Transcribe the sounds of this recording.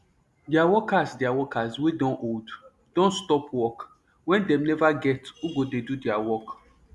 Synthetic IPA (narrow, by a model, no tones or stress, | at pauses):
diawɔkasdiawɔkʰaswedɔ̃nʔod | d̥ɔ̃nstɔpwɔk | wɛ̃ndɛ̃mnɛvaɡɛtuɡodedudiawɔk